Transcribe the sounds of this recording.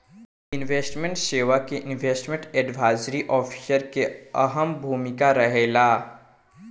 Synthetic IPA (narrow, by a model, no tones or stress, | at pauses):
ɪnʋeːsʈmẽɳʈʃeːʋakeʔɪnʋeːsʈmẽɳʈɛːɖʋʱaːɪzɾiʔɔːpʰi̥səɾkeɐ̰ɦəmbʱuːmɪkaɾɐɦeːlaː